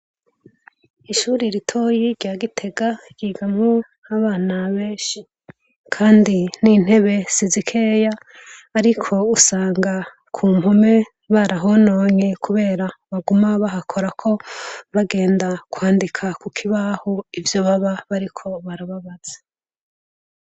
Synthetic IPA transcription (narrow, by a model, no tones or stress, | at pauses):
iʃuːɾiɾitʰojiɾɟaːɡitʰe̞ɡa | ɡ̥iːɡamo | haβaːnaβe̞ːʃi | kʰaːndinin̥he̞βe̞z̥izikʰe̞jaː | ɾikʰo̞usaːŋɡa | kʰuːmo̞me̞ | βaɾaɦo̞no̞ːɲekʰuβe̞ːɾaβaɡumaβaɦakʰo̞ɾakʰo̞βaɡe̞ːndakwaːndikʰakukʰiβahoivjoβaβaβaɾikʰo̞βaɾaβaβaz̥e